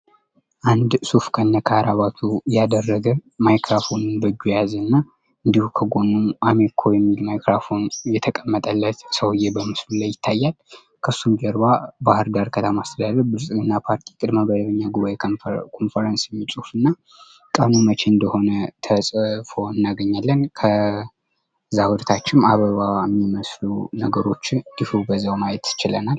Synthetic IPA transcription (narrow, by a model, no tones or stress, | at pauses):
ʔand̪sufkʰənːəkʰaɾaβat̪ʰujad̪ərːəɡəmajkɾafo̞nɨnbəd͡ʒujazənːa | ɨnd̪ihukʰəɡo̞nːuamekʰojɛmːilmajkɾafo̞njɛt̪ʰəkʼəmːət̪ʼəlːət̪səwɨjːɛbəmɨslulajːɪt̪ʰːajːal | kʰəsːumd͡ʒəɾbabahɨɾdaɾkʰət̪ʰəmaːst̪ʰəd̪ad̪əɾbɨɾsʼɨlɨnːapʰaɾt̪ʰi̥kʼɨd̪məbəd̪əβəɲːaɡuβakʰo̞nfəɾənsjɛmːit͡ʃʼufɨnːa | kʼənumət͡ʃʰe̞ɨnd̪əho̞nət̪ʰəsʼfo̞ɨnːaɡəɲːalːənkʰə | zawud̪ət̪ʰat͡ʃːɪmaβəβaɛmːiməslunəɡəɾo̞t͡ʃːd̪ifubəzːawmajɛt̪t͡ʃɪlə̰nal